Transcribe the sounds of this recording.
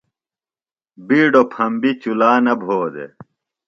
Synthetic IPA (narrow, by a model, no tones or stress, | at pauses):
biːɖopʰɐmbit͡ɕulaːnɐbʱoːd̪ḛ